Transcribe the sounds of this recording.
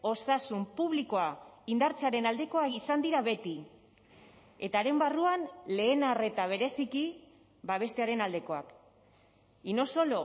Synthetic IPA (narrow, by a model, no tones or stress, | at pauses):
o̞sasumpuβ̞liko̞aind̪aɾt͡seaɾe̞nald̪e̞ko̞akisand̪iɾaβe̞t̪i | e̞t̪aɾe̞mbaruanle̞ːnare̞t̪aβ̞e̞ɾe̞siki | baβ̞e̞st̪e̞aɾe̞nald̪e̞ko̞ak | ino̞so̞lo̞